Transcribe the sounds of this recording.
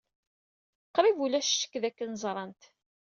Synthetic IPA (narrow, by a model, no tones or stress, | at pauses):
qːɾivulæʃʃə̥kːðækːənzˤɾˤɑnt̪